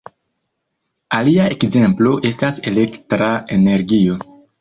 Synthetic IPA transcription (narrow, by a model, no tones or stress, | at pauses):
aliaekze̞mplo̞ʔe̞stase̞le̞ktɾae̞ne̞ɾɡio̞